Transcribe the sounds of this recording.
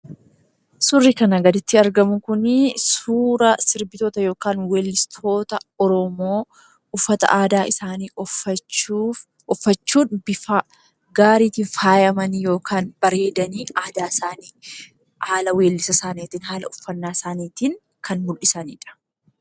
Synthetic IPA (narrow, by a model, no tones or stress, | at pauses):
sʊrːikɐnɐɡɐd̪ɪt̪ːɪɐɾɡɐmʊkʊnsuːɾɐsɪɾbɪt̪ot̪ɐjo̞ːkaːnweːlːɪst̪ʰo̞ːt̪ɐɔɾɔmoː | ʊfːɐt̪ɐ̰ʔaːd̪aːɪsaːniː | ɔfːɐt͡ʃːuːnbɪfa | ɡaːɾiːt̪iːnfaːjɐmɐnjo̞ːkʰaːnb̥ɐɾe̞ːd̪ɐniːaːd̪aːsaːniː | haːlɐwe̞ːlːɪsɐsaːniːt̪ɪnɦaːlɐʊfːɐnːaːsaːniːt̪iːŋ | kʰɐnmʊlʔɪsɐniːᶑɐ̥